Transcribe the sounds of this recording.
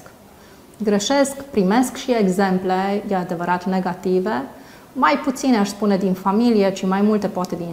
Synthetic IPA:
k | ɡɾeʃe̞skpɾime̞skʃie̞ɡze̞mple̞jead̪e̞vəɾat̪ne̞ɡat̪ive̞ | majput̪sineaʃspune̞d̪infamilije̞t͡ʃimajmult̪e̞poat̪e̞d̪in

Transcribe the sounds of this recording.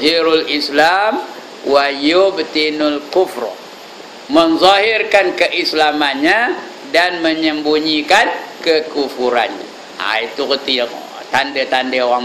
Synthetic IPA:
ɦiɾulislam | wajobt̪inulkufr̰ | mənzɔhirkankəʔislamanɲa | danməɲəmbuɲikankəkufuɾa̰nɲa̰ | a̰it̪ukət̪ijŋ̰ | t̪andət̪andəowaŋ

